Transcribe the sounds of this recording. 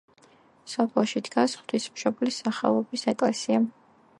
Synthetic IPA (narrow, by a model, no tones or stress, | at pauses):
sɔpʰlˠʃid̪ɡasχwd̪ʰismʃɔblisaχa̰vɔbisɛkʼlɛsia